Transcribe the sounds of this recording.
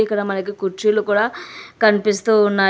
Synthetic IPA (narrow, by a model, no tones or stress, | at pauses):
ikːɐɽɐmɐnɐkikut͡ʃilukuːɽaːkɐnipist̪unːa